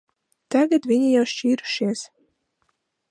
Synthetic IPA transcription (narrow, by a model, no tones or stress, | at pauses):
t̪aɡat̪vʲiɲijawʃt͡ʃiːɾu̥ʃiɛs